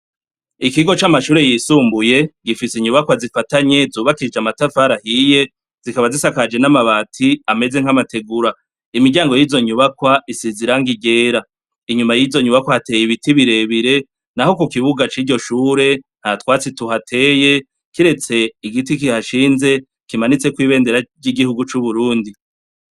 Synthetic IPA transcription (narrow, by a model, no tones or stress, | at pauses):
ikiɡo̞t͡ʃamaʃuːɾe̞jisuːmbuje̞ɡifisiɲuβakwazifataɲe̞zuːβakid͡ʒamatafaɾahije̞ | z̥ikaβazisakad͡ʒe̞namaβatʰiame̞ze̞ŋ̥hamate̞ɡuɾa | imiɡɟaːŋɡo̞jiːzo̞ɲuβakwaisiziɾaŋɡiɟe̞ːɾa | iɲumajizo̞ɲuβakwahate̞ːjiβitiβiɾe̞βiɾe̞ | naho̞kukiβuɡat͡ʃiːɾɟo̞ʃuːɾe̞n̥hatwaːt͡situhatʰe̞ːje̞ | kiɾe̞t͡se̞iɡitik̬ihaʃiːnze̞ | kimanit͡se̞kwiːβe̞ːnde̞ɾaɟiɡihuɡut͡ʃuβuɾuːndi